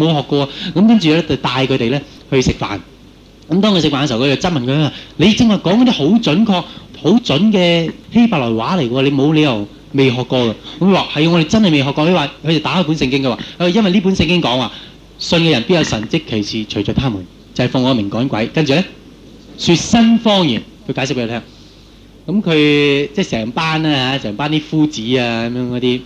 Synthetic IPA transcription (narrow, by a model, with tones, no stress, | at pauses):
mo˨˧wɦɔː˨kːɔː˧aː˧kɐ˨˥mkɐ˥nt͡ʃyː˨˧lɛ˥t͡sɐ˨˩wt̪aː˧jkʰɵ˨˧t̪e˨jlɛː˥ | hɵ˧ɥsɪ˨k̚fa̰ː˨˩n | kɐ˨˦mt̪ɔː˥ŋkʰsɪ˨kfaː˨nkskʰt͡sːwt͡sɐ˥t̚mɐ˨nkʰːœ˨˥ŋaː˧˩le˨˧jt͡sɪ˨ŋhɐ˨˩jkɔː˨˥ŋɔ˧˥t̪iː˥ho˨˥wt͡ʃɵ˨˥nkʰɔː˧k̚ho˨˥wt͡sɵ˨˥nkɛː˧he˥jpaː˨˩lɔː˨˩jwaː˨˥le˨˩jkwɔː˧le˨˧jmo˨˧wle˨˧jɐ˨˩w | me˨jɦɔː˨kːɔː˧kɐ˧kɐ˦˥mkɵ˧waː˨˧˩hɐ˨jŋɔ˧ɾe˨˩t͡sɐ˥nhɐ˨jme˨jɦɔː˨kːɔː˧kʰɵ˧jwaː˨kʰɵ˨˧te˨t̪aː˨˥a˨˥puː˨˥nsɪ˧ŋkɪ˥ŋkɛ˧waː˨kjɐ˥nwɐ˨jliː˥p̬u˨˥nsɪ˧ŋkɪ˥ŋkɔː˨˥ŋwaː˨˩ | sɵ˧nkɛ˧ɐ˨˩npi˥tjɐ˧wsɐ˨˩nt͡sɪ˥kʰːe˨˩jsʰiː˨t͡ʃʰɵ˨˩jt͡ʃɔː˨kt̪ʰaː˥muː˨˩n | t͡sɐ˨˧hɐ˨˩fʊ˧ŋɔ˨˧mɪ˨˩ŋkɔː˨˥nkʷɐ˨˥jkɐ˥nt͡ʃy˨lɛ˥ | syː˧t̚sɐ˥nfɔː˥ŋjiː˨˩nkʰɵ˧kaː˨˥sɪ˥k̚pːjːt̪ʰːŋ | kɐ˨˧˥mkʰɵ˨˧ɥt͡sɛː˥˩sɛː˨˩ŋpaː˥nɛː˥haː˨˦sɛː˨˩ŋpaː˥nt̪iː˥fuː˥t͡siː˨˥aː˧kɐ˨˦mjœː˧˥ŋkɔː˨˥t̪iː˥